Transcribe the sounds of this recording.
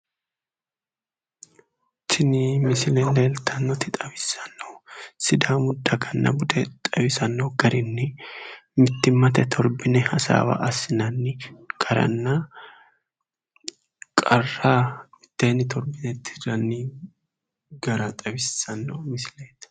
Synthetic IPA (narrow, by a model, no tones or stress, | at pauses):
t̪ʰɪnɪmɪsɪlɛnd̪eːlt̪ʰɐnːɔt̪ɪt̪ʼɐbɪsːɐ̥nːɔsɪd̪aːmʊd̪ːɐɡɐnːɐ̰bʊd̪ɛt̪ʼɐβɪsɐnːɔɡɐɾɪnːɪ | mɪt̪ːɪmːɐt̪ɛt̪ʰɔɾbɪnɛhɐsa̰ːwɐ̰ʔɐsɪnɐnːɪɡ̥ɐɾɐ̰nːɐ | kʼɐrːaːmɪt̪ːeːnɪt̪ʰɔɾbɪnɛt̪ʰːɪrɐnːɪ | ɡɐɾɐt̪ʼɐβɪsːɐnːɔmɪsɪle̥